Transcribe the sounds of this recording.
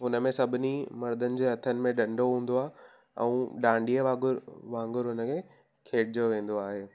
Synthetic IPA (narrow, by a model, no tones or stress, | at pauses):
ɦʊnə̆mẽsɐbʱɪnimɐɾd̪ʱənɪ̆d͡ʑeːɐt̪ʰənɪ̆mẽɗɐ̃ɳɖʱoɦũːn̆d̪oaːɦe | ɛ̰̃ũːɗãːɳɖiəʋãːɡʊɾʋãːŋɡʊɾɦʊnəkʰẽː | kʰeːʈʰɪd͡ʑoʋẽːn̆d̪oaːɦeː